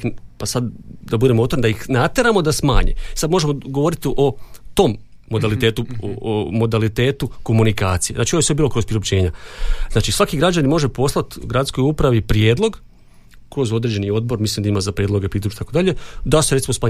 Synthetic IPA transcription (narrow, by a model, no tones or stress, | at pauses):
pasad̪d̪abud̪e̞mot̪oɾnid̪ajixnat̪e̞ɾamo̞d̪asma̰ːɲḛisad̪moʒe̞mo̞ɡoʋo̞ɾit̪ʔo̞t̪o̞mː | o̞d̪alit̪e̞ːt̪uomo̞d̪alit̪e̞ːt̪uko̞munika̰ːt̪sijenaːt͡ʃijsʋebiːlo̞kɾopɾiɾopt͡ɕe̞ːɲaznaːt͡ʃisʋakiɡɾad͡ʒanimo̞ʒe̞po̞slˠat̪ɡɾat̪sko̞jupɾaʋipɾje̞ːd̪lˠo̞ɡ | kɾo̞zo̞d̪ɾed͡ʑe̞nio̞d̪̚bo̞ɾmislimd̪aimazapɾʲjed̪lˠo̞ɡepɾid̪loʃit̪akod̪aʎe̞d̪aseɾet̪simosmaː